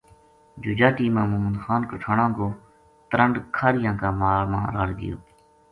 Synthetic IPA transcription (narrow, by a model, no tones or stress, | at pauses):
d͡ʒʊːd͡ʒaːʈiːmãːmʊːmənd̪xaːnkəʈʰaːɽãːkoː | t̪ɾəɳɖkʰaːɾɪjãːkaːmaːlmã̰ːɾaːɽɡɪ̰jo̰ː